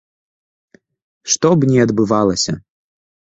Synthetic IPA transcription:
ʂt̪ɔbnʲɛɐd̪bɨvalˠɐsʲɐ

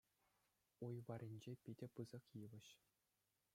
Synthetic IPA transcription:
ujʋɑɾʲinʲd͡ʑepʲidʲɘ̆pɯzɤ̆kjiʋɘ̆ɕ

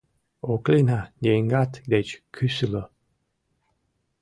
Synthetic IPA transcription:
oklinajeŋɡat̪d̪et͡ʃkʰysylə

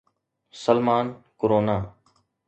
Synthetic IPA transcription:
səlmaːnkoɾoːnaː

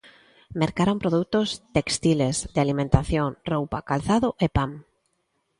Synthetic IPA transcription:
meɾkaɾompɾoðut̪ost̪ekst̪ilezd̪ɪalimẽnt̪aθjoŋrowpakalθaðʊʔepam

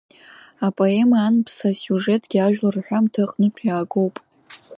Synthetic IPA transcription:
apʼoe̞maːnpʰsasjuʐetʼɡʲiaʒᶣlarħʷᶣamtʰɨqʼnɨtʰjaːɡo̞wpʼ

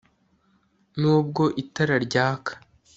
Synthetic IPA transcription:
nuːb̚ɡo̞ʔitaɾaɾɟaːkʰḁ

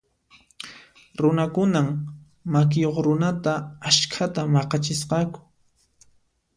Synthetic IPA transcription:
ɾʊnakʊnam | mak̬ɪjoχɾʊnat̪aaskʰat̪amɑqɑt͡ʃɪsqɑkʊ̥

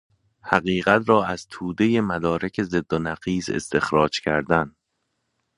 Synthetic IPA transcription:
hæɣiːɣæt̪ʰɾɒːæz̥t̪ʰuːd̪eje̞mæd̪ɒːɾekʰe̞ze̞d̪ːonæɣiːze̞̰st̪e̞xɾɒːd͡ʒcʰæɾd̪æn

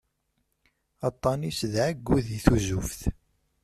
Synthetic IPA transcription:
ɑt̪ˤːɑnisðʕəɡːuðiθuzufθ

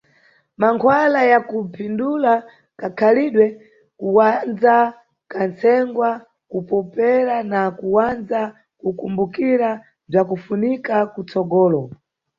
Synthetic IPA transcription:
maŋkʰwalajakupʰindula | kakʰaliɗwɛ | kuwand͡za | kant͡sɛŋɡwa | kupɔpɛɾanakuwand͡za | kukumbukiɾa | b͡ʐakufunikakut͡sɔɡɔːlɔ

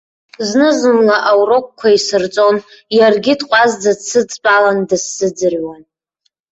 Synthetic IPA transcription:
znɨzɨmlaʔawrok̚ʷʼkʷʰaisɨrt͡sʼo̞njarɡʲɪdqʷʼazd͡zat͡sʰːɨd͡zʼpʼalandɨsːɨd͡zɨrɥan

